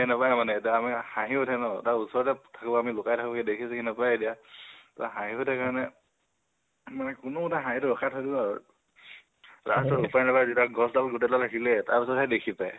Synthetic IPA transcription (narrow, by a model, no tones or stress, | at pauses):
napajmanɛdiaːmihãɦiotʰanɔtaɹusɔɹtɛtʰakibɔamilʊkajtʰakibɔkɛdekʰisakinapajedijata̰ɦãɦĩɦotʰakaɹɔnɛ | manɛkunɔutaɦãɦitʊɹɔkʰatʰɔdibɔaɹu | ɹa̰stɔupanɛbazitaɡɔsdalɡutɛlalakilɛtaɹpisɔtɛdekʰipaj